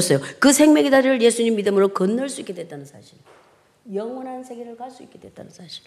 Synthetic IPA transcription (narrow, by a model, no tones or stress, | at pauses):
s͈ʌjokɯsʰe̞ŋmjeɡidaɾiɾɯɭje̞sʰuɲimːidɯmɯɾokʌnːʌɭs͈uik͈edwe̞t͈anɯnsʰa̰ɕʰiɾ | jʌŋwʌnɦansʰe̞ɡeɾɯɭkaɭs͈uik͈e̞dwe̞̰t͈̚a̰nɯnsʰaɕʰiɾ